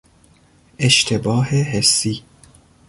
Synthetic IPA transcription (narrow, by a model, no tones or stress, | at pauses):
ʔeʃt̪ʰebɒːheɦesːiː